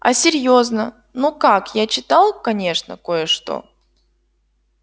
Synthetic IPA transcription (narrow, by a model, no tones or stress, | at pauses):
ɐ̰sʲɪɾʲjo̞znə | nukakjat͡ɕɪt̪alˠkɐnʲe̞ʂnə̰ko̞jəʂt̪o̞̰